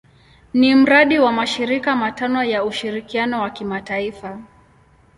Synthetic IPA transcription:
nim̩ɾaɗiwamaʃiɾikamatanɔjauʃiɾikianɔwakimataifa

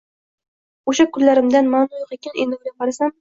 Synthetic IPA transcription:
oʃakʰʊllːaɾɪmd̪anmanʊjoqekʲanʔend̪ɪwɡʲaqɑɾasam

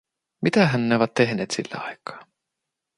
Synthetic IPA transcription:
mit̪æɦænːeoʋæt̪tːe̞ɦneːt̪sḭlːḛɑ̰jkːˑɑ̥ː

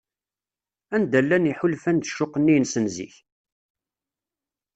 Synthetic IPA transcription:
ænd̪ælːæniħʊlfænd̪əʃːʊqːənːijnsənzḭç

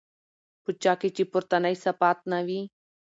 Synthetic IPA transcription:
pʊt͡ʃaːkit͡ʃipʊɾt̪ɐnɐisɐpaːt̪̚naʋi

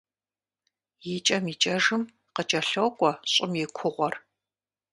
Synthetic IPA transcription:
jɪt͡ʃʼɐmit͡ʃʼɐʒɨm | qət͡ʃʼɐɬokʷʼɔɕʼɪmjɛkʷʰʊʁʷɔr

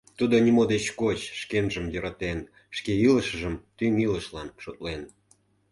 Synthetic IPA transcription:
t̪ud̪onʲimod̪et͡ɕkot͡ɕʃkenʒəmjə̆ɾɑt̪en | ʃkeiləʃəʒəmt̪ymiləʃlɑnʃot̪̚len

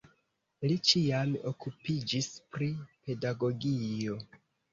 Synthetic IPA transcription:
lit͡ʃiamo̞̰kupid͡ʒispɾipe̞daɡo̞ɡijo̞

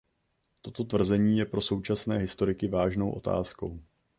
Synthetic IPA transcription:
t̪o̞t̪o̞t̪vr̩zɛɲiːjɛpɾo̞so̞wt͡ʃasnɛːɦɪst̪o̞ɾɪkɪvaːʒno̞wʔo̞̰t̪a̰ːsko̞̰w

